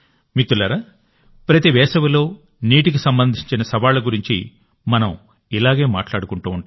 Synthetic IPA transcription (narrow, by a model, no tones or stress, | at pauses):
mit̪ːulɐɾa | pɾɐt̪iʋɛːsɐʋilo̞ː | niːʈikisɐmbɐnd̪ʱiɲt͡ʃinɐsɐʋaːluɡuɾiɲt͡ʃḭ | mɐnɐm | ilaːɡe̞ːma̰ːʈlaːɽukuɳʈuːuɳ